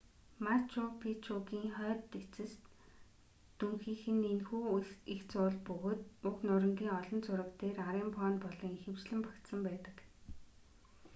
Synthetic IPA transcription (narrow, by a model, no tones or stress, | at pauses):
mat͡ɕʊpʰit͡ɕʰuɣiːŋχœːt̪ːet͡sɘ̆s | t̪ːuŋxiːxɘ̆nenxuːixt͡sʊːɮpɵɣoːt̪̚uknʊɾə̆ŋɡʲiːŋɔɮɞ̆nt͡sʊɾə̆kt̪eːraɾiːmpʰɔːnpɔɮɞ̆ŋxĕwt͡ɕɮɘ̆mpakt̪sə̆mpæːt̪ə̆k